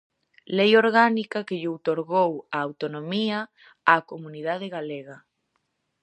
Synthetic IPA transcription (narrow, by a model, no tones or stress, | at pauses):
lejoɾɣanikakeʎowt̪oɾɣowaːwt̪onomia | akomuniðað̞eɣaleɣa